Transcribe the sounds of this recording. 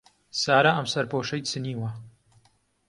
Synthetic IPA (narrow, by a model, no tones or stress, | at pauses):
saːɾɐʔɐmsɐɾpoːʃɐjt͡sɨniːwɐ